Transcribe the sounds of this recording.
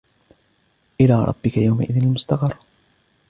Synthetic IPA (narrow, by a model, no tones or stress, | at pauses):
ʔɪlaːɾˤɑ̰t̪ˤbɪkajawma̰ʔɪðɪnalmʊst̪ɑqɑɾˤː